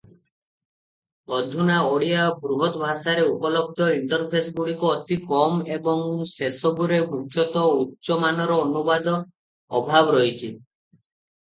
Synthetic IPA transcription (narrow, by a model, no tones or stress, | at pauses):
ɔd̪ʱunaoɽiabɾuɦɔt̪ɔbʱasaɾeupɔlɔb̚d̪ʱɔiɳʈɔɾpʰesɡuɽikuɔt̪ikɔmebɔŋsesɔbuɾebukʰjɔt̪ɔutːʃɔmanɔɾɔːnubad̪ɔː | bʱabɔɾɔɦit͡ʃʰi